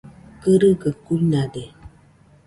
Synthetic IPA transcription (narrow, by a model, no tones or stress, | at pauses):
kəɾəɡəkunade